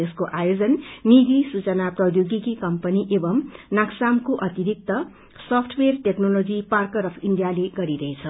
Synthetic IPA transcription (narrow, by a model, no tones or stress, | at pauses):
eskoʔajod͡zʌnːid̪isut͡sʌnaprʌjoɡikikʌmpʌniʔebʌmnaksamkoʔʌt̪iɾik̚t̪ʌ | sʌpʰʈʰwerʈeknolod͡ziparkʌɾʌpʰinɖijaleɡʌɾiɾʌɦet͡sʰʌ